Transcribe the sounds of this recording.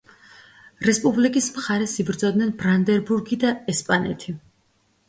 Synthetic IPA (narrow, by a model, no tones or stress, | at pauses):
ɾɛspʼublikʼismχaɾɛsibɾd̪zɔd̪nɛnbɾand̪ɛɾbuɾɡid̪aɛspʼanɛ̰t̪ʰi